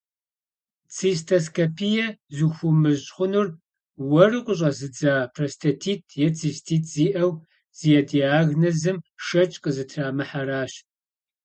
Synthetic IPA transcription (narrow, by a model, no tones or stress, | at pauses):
t͡sʰistʰɐskʰɐpʰijɛzuxʷʊmɨʑʼχʷʊnur | wɐrɨqʷʼʊɕ̬ʼɐzɨd͡zaːpʰrɐstʰɐtʰiːtʰjɛt͡sʰiːstʰiːtʰʼz̥iːʔɐw | z̥ijɛdiaːɣnɐzɨmʃɐt͡ʃʼqʼəzɨtʰraːmɨħaɾaːɕ